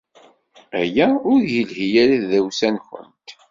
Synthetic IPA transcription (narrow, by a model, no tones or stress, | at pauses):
æjæʊɾjəlhijælæððæwsænçə̰nt̪